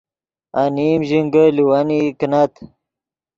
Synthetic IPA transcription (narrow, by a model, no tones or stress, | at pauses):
animʑiŋɡəliwaniknat̪